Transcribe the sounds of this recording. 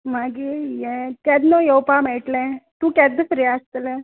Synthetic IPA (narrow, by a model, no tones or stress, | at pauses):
maɡijekɛd̪nojowpameːʈlẽt̪ũkɛd̪əfɾiast̪əle